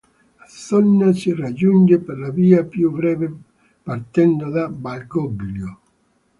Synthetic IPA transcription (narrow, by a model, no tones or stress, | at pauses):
asɔnːasirad͡ʒund͡ʒeperlaviːapjuvɾɛːve | paɾt̪ɛnd̪od̪abalɡɔbiljo